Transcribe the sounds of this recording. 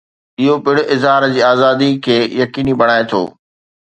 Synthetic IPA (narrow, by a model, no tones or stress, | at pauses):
ɪɦopɪɽʊʔɪzɦaːɾd͡ʑiːaːzaːd̪ikʰeːjɐkiːnibɐɽ̃aːet̪ʰo̰ː